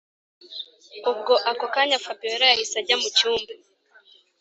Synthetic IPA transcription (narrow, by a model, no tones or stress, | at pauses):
ub̚ɡoʔakokaɲafabioɾajahisaɟamucuːmbe